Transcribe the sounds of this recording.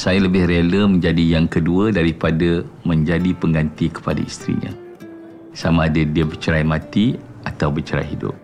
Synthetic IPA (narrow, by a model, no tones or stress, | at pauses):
sajaləbɪhɾeləmə̃ɲd͡ʒadijaŋkəduədaɾipadamə̃ɲd͡ʒadipəŋɡant̪ikə̥pada̰ḭst̪ɾḭɲã̰ | samãːdədiəbərt͡ʃəɾajmãt̪i | at̪awbət͡ʃəɾa̰jɦidʊ̰p̚